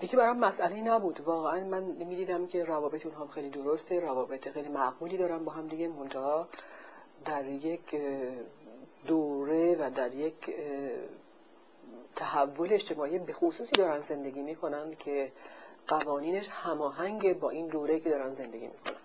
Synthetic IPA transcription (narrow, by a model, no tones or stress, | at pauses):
jecʰibæɾɒmːæsʔæleinæbuːd̪vɒːɣeænmænmiːd̪iːd̪æmcʲʰe̞ɾævɒːbe̞t̪eunɦɒːmxejlid̪oɾost̪eɾævɒːbet̪ʰexe̞jliːmæɡbuːliːd̪ɒːɾæmbɒːɦæmd̪iɟʲemo̞nt̪ʰɑɦɒː | d̪æɾje̞cʰ | d̪oɾe̞væd̪æɾje̞kʰ | t̪ʰæhævːo̞leeʃt̪e̞mɒːibe̞xosuːsiːd̪ɒːɾænd̪ze̞nd̪e̞ɡiːmiːkʰo̞nænd̪cʰe̞ɡ̥ævɒːniːneʃhæmɒːɦæŋɟebɒːʔind̪oːɾeicʰed̪ɒːɾænd̪ze̞nd̪e̞ɡḭmḭːkʰo̞̰næ̰nd̪̥